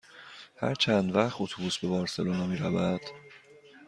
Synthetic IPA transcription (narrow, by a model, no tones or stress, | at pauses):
hæ̰ɾt͡ʃʰænd̪væχt̪ot̪ʰubusbe̞bɒːɾse̞lonɒmiːɾævæd̪̥